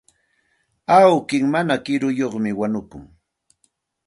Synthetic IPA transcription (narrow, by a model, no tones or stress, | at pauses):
awkɪŋmanakɪɾʊjoχmɪwanʊkʊŋ